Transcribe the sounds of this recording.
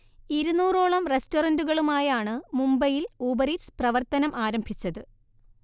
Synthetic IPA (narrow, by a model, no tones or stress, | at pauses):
iɾunuːroːɭɐmre̞storɐnduɣɐɭumaːjaːɳɨmumbɐjiluːbɐɾiʈsprɐʋɐrt̪ɐnɐmʔaːɾɐmbʱit͡ɕːɐðɨ